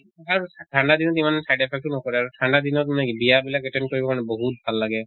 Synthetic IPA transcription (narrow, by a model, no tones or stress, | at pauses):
aɾusʈʰãɳɖad̪inɔt̪imanɛsajɖepʰek̚ʈunɔkɔɾiaɾuʈʰãɳɖad̪inɔt̪nebijabilakeʈenkɔɹibɔkañɛbɔɦut̪̚bʱalːaɡɛ